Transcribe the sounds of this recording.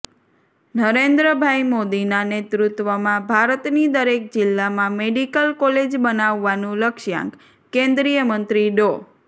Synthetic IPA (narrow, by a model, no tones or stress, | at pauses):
nəɾend̪ɾəbʱajmod̪inanet̪ɾut̪ʋəmãbʱaɾət̪nid̪əɾek̚d͡ʒɪlːamãmeɖikəlkɔled͡ʒbənaʋːanũləkʃjã̰ŋk | kẽnd̪ɾijəmənt̪ɾiɖo